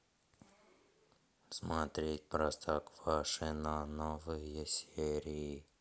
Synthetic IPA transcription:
smat̪ɾʲetʲpɾast̪ʰakv̥aʂɨnanovɨjəsʲeɾʲɪː

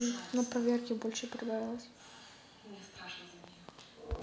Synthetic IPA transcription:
nɐpɾɐvʲerkʲɪbolʲʂɨpɾʲɪd̪aɾʲɪlˠəsʲ | s

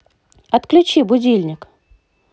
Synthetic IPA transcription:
ɐt̪klʲʊt͡ɕibʊdʲilʲnʲɪk

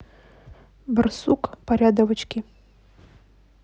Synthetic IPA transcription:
bɨrsukʼpaɾʲad̪əvɐt͡ʃʼkʲi

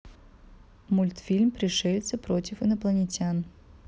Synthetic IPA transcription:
mʊlʲt̪fʲilʲmpɾʲɪʂɛlʲt̪sʲəpɾotʲɪfɨnɐplˠənʲɪtʲan

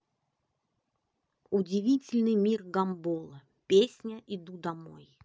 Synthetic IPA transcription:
ʊdʲɪvʲitʲɪlʲnɨjmʲirɡɐmbolˠə | pʲesʲnʲəʔɪd̪ud̪ɐmo̰j

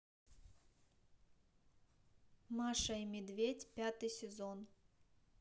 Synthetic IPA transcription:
maʂɐimʲɪd̪vʲetʲpʲat̪ɨjsʲɪzon

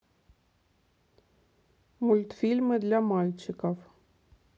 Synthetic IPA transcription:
mulʲt̪fʲilʲmɘd̪lʲamɑlʲt͡ɕɪkof

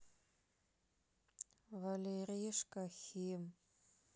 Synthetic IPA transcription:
valʲerijʂkʼaxʲim

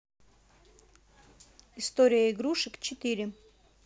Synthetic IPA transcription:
ɪst̪oɾʲɪjəɪɡɾuʂɨkt͡ɕɪt̪ɨɾʲɪ

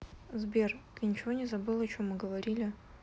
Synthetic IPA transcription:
zbʲerknʲɪt͡ɕɪvonʲɪzɐbɨlˠɐt͡ɕomːɨɡəvɐɾʲilʲɪ

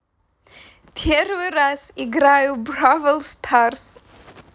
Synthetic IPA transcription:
pʲʰɛrvɨɾaziɡɾajubravəlˠst̪ʰars

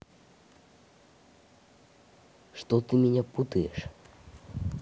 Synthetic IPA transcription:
ʂt̪ɔt̪ɨmʲɛnʲaput̪ɨjɛʂ

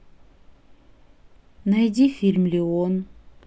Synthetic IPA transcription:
najd̪ʲifʲilʲmlʲeon

